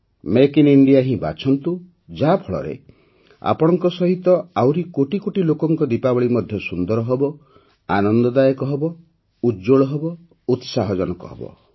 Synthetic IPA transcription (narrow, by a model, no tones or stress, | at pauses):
mekiniɳɖijaɦĩba̰t͡ʃʰɔnt̪u | d͡ʒabʰʱɔɭɔ̰ɾḛ | a̰pɔɽ̃ɔŋkɔsɔɦit̪ɔawɾikoʈikoʈilokɔŋkɔd̪ipabɔɭimɔd̪ʱjɔsund̪ɔɾɔɦebɔ | anɔnd̪ɔd̪ajɔkɔɦebɔ | ud͡ʒoɭɔɦebɔ | ut̪saɦɔd͡ʒɔnɔkɔ̰ɦḛbɔ̰